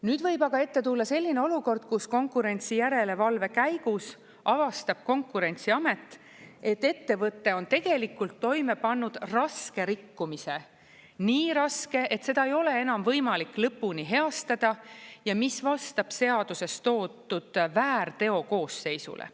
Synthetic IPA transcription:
nyːd̪̥vɤjbɑɡ̥ɑe̞t̪ːe̞t̪ulːɑse̞lʲːine̞o̞luko̞rd̪̥̚kusko̞ŋkˑuɾe̞nʲt̪sijæɾe̞le̞vɑlve̞kæjɡ̥us | ɑvɑst̪ɑb̥̚ko̞ŋkˑuɾe̞nʲt̪siɑme̞t̪ːˑ | e̞t̪ːe̞t̪ːe̞vɤt̪ːe̞o̞nt̪e̞ɡ̥e̞likːult̪ːo̞jme̞pɑnːud̪̥rɑske̞ɾikːumise̞ | niːɾɑske̞ʔe̞t̪se̞d̪ɑe̞jo̞le̞e̞nɑmvɤjmɑlikːˑlɤpːˑuniɦe̞ɑst̪ɑd̪̥ɑjɑmisvɑst̪ɑb̥se̞ɑd̪̥use̞st̪o̞ːt̪ːˑud̪̥væːrt̪e̞o̞ko̞ːsːe̞jsṵlḛ

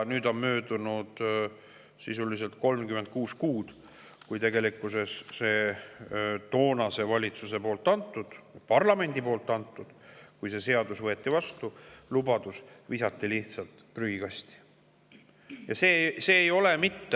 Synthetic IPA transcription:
nyːd̪o̞nmø̞ːd̪unud̪̥ | sisulis̬e̞lt̪̚ko̞lmkymend̪̚kuːskuːd̪̥ | kujt̪e̞ɡe̞likːˑuse̞sːe̞ː | t̪o̞ːnɑse̞vɑlʲit̪suse̞poːlt̪ːˑɑnt̪ːˑud̪̥pɑrlɑme̞nʲd̪ipo̞ːlt̪ːˑɑnt̪ˑːud̪̥kujsese̞ɑd̪̥usvɤe̞t̪ːivɑst̪ulubɑd̪̥usvisɑt̪ːiliht̪sɑlt̪ˑpryɡiɡ̥ɑst̪i̥ | jɑse̞ːse̞ːjo̞le̞mit̪ːe

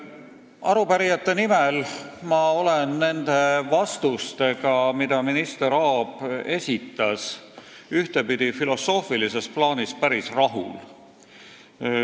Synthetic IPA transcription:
ɑɾupæɾijɑt̪ːˑe̞nimelmɑo̞lenːe̞nd̪̥e̞vɑst̪ust̪e̞ɡ̥ɑmid̪̥ɑminist̪e̞ɾɑːb̥e̞sʲit̪ːˑɑs | yht̪e̞pid̪̥ifilo̞so̞ːfilise̞splɑːnispæɾisrɑɦṵl

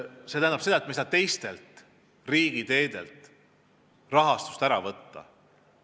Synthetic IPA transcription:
se̞t̪æhnɑpse̞d̪ɑet̪mejsɑt̪e̞jst̪e̞lt̪ˑ | riːɡ̥it̪e̞ːd̪̥e̞̰lt̪ˑ | rɑɦɑst̪u̥st̪æɾɑvɤt̪ːɑ̰

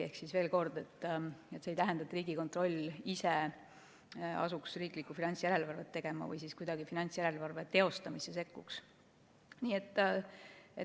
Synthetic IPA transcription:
e̞hksisve̞ːlko̞rd̪e̞t̪ˑːet̪seːjt̪æɦend̪̥ɑt̪ːriːɡiko̞nt̪ˑro̞lʲːise | ɑ̰suksriːklikːufinɑnʲtsjæɾe̞lvɑrve̞t̪ːe̞ɡ̥e̞mɑ̰vɯ̰jsiskujd̪ɑɡifinɑnʲt̪ʲsjæɾe̞lvɑrve̞t̪e̞o̞st̪ɑmisese̞kːuks | niːet̪ˑː | e

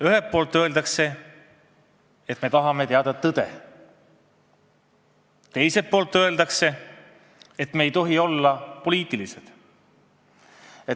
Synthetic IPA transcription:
yɦepːo̞ːlt̪ːˑø̞e̞ld̪ɑkse̞ | et̪ːˑme̞t̪ɑɦɑme̞t̪eɑd̪ɑt̪ːɤd̪̥e̞̰ | t̪e̞jse̞pːo̞ːlt̪ːˑø̞e̞ld̪ɑkse̞ | et̪meːjt̪o̞ɦio̞lːɑpo̞liːt̪ˑilised̪̥ | e

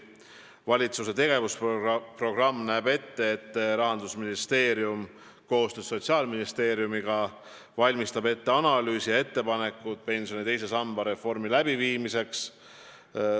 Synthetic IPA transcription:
vɑlʲit̪suse̞t̪e̞ɡ̥e̞vusppro̞ɡ̥rɑmːnæːbe̞t̪ːe̞et̪ːɾɑɦɑnd̪̥usminist̪e̞ːɾium | ko̞ːst̪ø̥so̞t̪ʲsiɑːlminist̪e̞ːɾjumiɡ̥ɑ | vɑlʲmist̪ɑbe̞t̪ːe̞ɑnɑlyːsijɑe̞t̪ːe̞pɑne̞kːˑut̪̚pe̞nsio̞nit̪e̞jse̞sɑmb̥ɑɾe̞fo̞rmilæb̥iviːmise̞ks

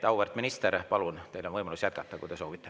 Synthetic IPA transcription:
t̪ɑwvert̪minist̪eɾpɑlunt̪e̞jlonvɤjmɑlusjæt̪kɑt̪ːɑkṵt̪eso̞ːvit̪ˑːe

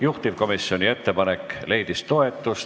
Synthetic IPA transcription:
juht̪iv̥ko̞misio̞nie̞t̪ːe̞pɑne̞kːle̞jd̪̥ist̪o̞e̞t̪ːˑus

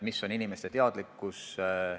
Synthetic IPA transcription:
misːo̞ninimest̪e̞t̪e̞ɑd̪̥likːˑus

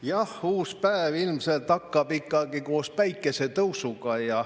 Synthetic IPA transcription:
jɑhuːspæːvilmselt̪ːɑkːɑbikːɑɡ̥ikoːspæjkːˑeset̪ɤwsuɡɑjɑ

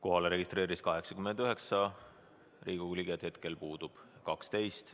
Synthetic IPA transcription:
ko̞ɦɑleɾe̞ɡist̪ɾe̞ːɾiskɑɦe̞ksɑ̥kymːend̪̥yɦe̞ksɑ | rʔiːɡ̥uliɡed̪̥he̞t̪ke̞lpuːd̪̥ub̥kɑkst̪e̞jst̪

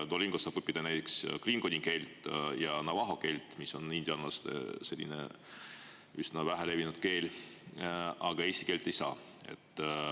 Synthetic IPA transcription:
d̪̥olʲːiŋɡ̥osːɑːbɤpːˑid̪̥ɑnæjt̪ːˑekskliŋɡ̥onʲiŋke̞lʲt̪ˑjɑnɑvɑɦo̞ke̞lʲt̪ːˑmisːo̞nind̪̥ʲjɑnɑɑst̪ḛse̞lʲːḭnḛ | ysnɑvæɦele̞vinud̪̥̚ke̞ːlʲ | ɑɡ̥ɑesʲt̪i̥ke̞ːlʲt̪ːˑe̞jsɑ̰ːe̞̰t̪ː

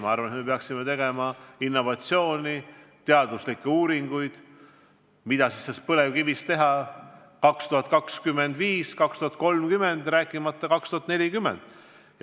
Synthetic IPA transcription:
mɑɑrvɑnet̪me̞peɑksimet̪e̞ɡe̞mɑinːo̞vɑt̪sio̞ːnʲit̪e̞ɑd̪̥uslikːˑeuːɾiŋɡ̥ujd̪̥ | mid̪̥ɑsisːespɤlevkivist̪e̞ɦɑ | kɑkst̪uɦɑt̪̚ˑkɑkskymːe̞nd̪viːskɑkst̪uɑt̪̚ˑko̞lmkyme̞nd̪̥ræːkːˑimɑt̪ːˑɑkɑkst̪uhɑt̪ne̞lʲikymːe̞̰nd̪̥ | jɑ

